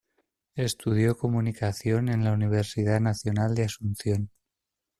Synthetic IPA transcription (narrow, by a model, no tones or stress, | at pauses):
e̞st̪uð̞jo̞ko̞munikaθjo̞ne̞nlauniβ̞e̞ɾsiðanaθjo̞nald̪easunθjo̞n